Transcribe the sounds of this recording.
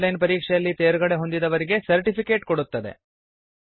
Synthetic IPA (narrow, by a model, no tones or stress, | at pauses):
lɐjnpɐɾiːkʂɛjɐlːit̪eːɾɡɐɽe̞ɦo̞nd̪id̪ɐʋɐɾiɡe̞sɐɾʈipʰike̞ːʈkoɽut̪ːɐd̪e̞̰